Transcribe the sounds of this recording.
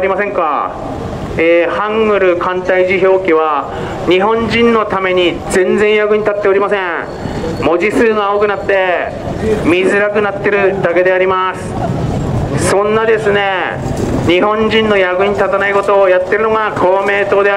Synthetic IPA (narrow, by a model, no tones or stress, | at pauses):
ɾʲimasẽ̞ŋka̰ | ehãŋɡɯ̟ɾɯ̟kãnt̪aiʑiço̞ːkʲiβa | ɲ̟iɦõ̞ɲd͡ʑĩnːo̞t̪ame̞ɲ̟izẽ̞nd͡zẽɰ̃jaɡɯ̟ɲ̟it̪at̪ːe̞o̞ɾʲimasẽ̞ | mo̞d͡ʑisɨːɡao̞ːkɯ̟nat̪ːe̞ | mʲizɨɾakɯ̟nat̪ːe̞ɾɯ̟d̪ake̞d̪e̞aɾʲimasɨ̥ | sõ̞nːad̪e̞sɨne̞ | ɲ̟iɦõ̞ɲd͡ʑĩnːo̞jaɡɯ̟ɲ̟it̪at̪anaiko̞t̪o̞ːjat̪ːe̞ɾɯ̟noɡakʰo̞ːme̞ːt̪o̞ːd̪e̞